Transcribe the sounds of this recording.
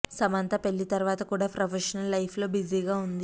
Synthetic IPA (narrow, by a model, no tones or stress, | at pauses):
sɐmɐnt̪ɐpe̞ɭːit̪ɐɾʋaːt̪ɐkuːɽaːpɾɐpʰeʃɐnɐlːɐjpʰlo̞ːbiziːɡaːund̪i